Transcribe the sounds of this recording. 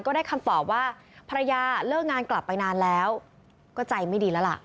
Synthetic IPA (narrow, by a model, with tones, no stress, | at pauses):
nkɔː˥˩daː˥˩jkʰa˧mt̪ɔː˨˩p̚waː˥˩pʰa˧ɾa˧jaː˧lɯː˥˩k̚ŋaː˧nkla˨˩pːa˧jnaː˧nlɛː˦˥w | kɔː˥˩t͡ɕa˧jma˥˩jdiː˧lɛː˦˥la̰˨˩ʔ